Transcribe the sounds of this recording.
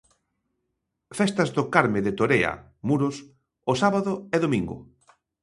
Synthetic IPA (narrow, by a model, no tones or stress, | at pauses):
fɛst̪ɐzðʊkaɾmeðet̪oɾeɐ̰ | muɾʊs | osaβaðʊeðomĩŋɡʊ̰